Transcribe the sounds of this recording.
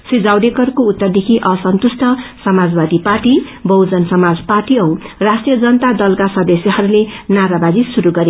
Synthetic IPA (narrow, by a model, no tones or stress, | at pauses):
sid͡zawɖekʌrkout̪ːʌrd̪ekʰiʔʌsʌnt̪usʈʰʌsʌmad͡zbad̪iparʈibʌwd͡zʌnsʌmad͡zparʈiʌw̃rasʈijʌd͡zʌnʌt̪ad̪ʌlkasʌd̪esjʌɦʌɾulenaɾabad͡zisuɾuɡʌɾe